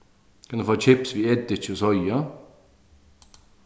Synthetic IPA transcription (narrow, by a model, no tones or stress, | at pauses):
kʰɑnd̪əfoːt͡ʃʰɪpsʋiːɛd̪ɪt͡ʃosɔjɑ